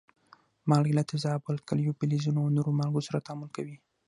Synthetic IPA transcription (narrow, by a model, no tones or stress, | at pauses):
mɑlɡlat̪ɪfzaːbʊlkaljopɪlizunoanoɾomalɡosaɾat̪ɑmulkawi